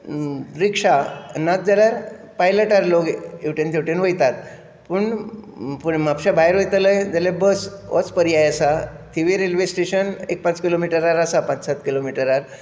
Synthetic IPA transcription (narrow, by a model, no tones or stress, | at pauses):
ɾikʂanat̪̚d͡zaɽjaɾ | pajləʈaɾloɡewʈent̪ʰewʈenʋəjt̪at̪ | puɳpuɽmapɕabʱajɾʋəjt̪ələjd͡zalebəsʋʔɔ̰t͡spəɾiajəsat̪ʰiʋiɾelʋesʈeɕənek̚pãt͡skilomiʈəɾaɾasapãt͡ssat̪kilomiʈəɾaɾ